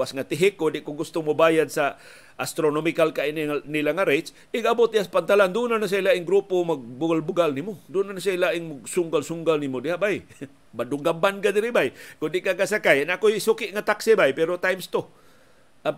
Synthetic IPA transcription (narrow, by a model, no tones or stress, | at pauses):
wasŋat̪ɪɦɪkːʊndɪʔkʊŋɡʊst̪ʊŋmobaːjad̪̚sa | ʔast̪ɾonomɪkalkainnilaŋaɾejt̪s | ʔɪɡabot̪̚d̪ɪhaspant̪aland̪unanas̬ailaʔɪŋɡɾupomaɡ̚bʊɡalbʊɡalnimod̪unanasaɪlaʔɪŋmaɡsʊŋɡalsʊŋɡalnimod̪ɪhaʔbaj | bad̪ʊŋɡambankad̪ɪɾɪbajkʊnd̪ɪʔkakasakajanakojsukɪʔŋat̪aksɪbajpɛɾot̪ajmst̪o | a